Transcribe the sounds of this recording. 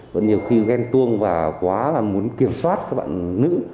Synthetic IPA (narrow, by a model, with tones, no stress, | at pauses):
və̰˧˥nɲi˨˩əwxi˧ɣɛ˧nt̪ɨ˧əŋvaː˨˩kwaː˨˦a˨˩mu˨˦ənki˧˩əmswaː˦˥t̚kaː˦˥k̚ɓa̰ː˧˨nnːɨ̰˧˥